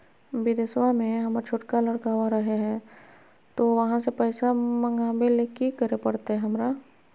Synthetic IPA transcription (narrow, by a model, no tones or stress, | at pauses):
bɪd̪eswamẽɦɐmɾt͡ʃʰoːʈkalɐɽkaːʋaɾɐɦeɦɛ̃ | t̪oʋɐɦãsepɛːsamɐ̃ŋɡaːbelekikəɾepɐɽt̪eɦɛ̃ɦɐmɾaː